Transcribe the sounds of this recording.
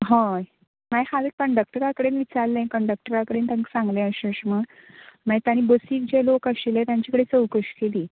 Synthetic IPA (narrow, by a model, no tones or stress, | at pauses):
ɦaj | majhalekəɳɖək̚ʈəɾakəɽenʋit͡saɾlẽkəɳɖək̚ʈəɾakəɽeːnt̪aŋksãŋɡlẽəɕəɕməɽ | məjt̪añiːbəsiːk̚d͡ʑelokəɕilet̪jãɲt͡ɕikəɽet͡səwkəɕkeliː